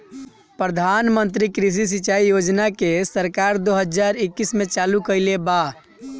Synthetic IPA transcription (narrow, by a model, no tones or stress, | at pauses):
pɾəd̪ʱanmənt̪̬ɾikɾis̬is̬it͡ʃaijod͡ʒnakesəɾkaɾd̪oɦəd͡ʒaɾikːismet͡ʃalukəɪleba